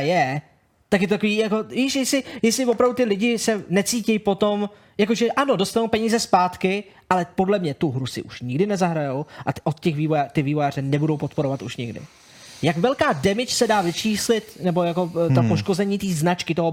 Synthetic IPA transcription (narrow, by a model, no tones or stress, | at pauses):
jɛ | t̪akjɛt̪ot̪akoviːjako̞jiʃjɛsɪjɛslɪvopɾavdut̪ɪlɪɟɪsɛnɛt͡siːcɛjpo̞t̪o̞m | jakoʒɛʔano̞do̞st̪anowpɛɲiːzɛspaːt̪kɪʔalɛpo̞dlɛmɲɛt̪uɦɾusɪ̰ʔuʃɲɪɡdɪnɛzaɦɾajowʔaʔot̪cɛxviːvojat̪ɪviːvojaːr̝ɛnɛbudowpo̞t̪po̞ɾovat̪uʃɲɪɡdɪ̰ | jakvɛlkaːdɛmɪt͡ʃsɛdaːvɪt͡ʃiːslɪt̪nɛbo̞jako̞t̪opoʃko̞zɛɲiːt̪iːznat͡ʃkɪt̪oɦo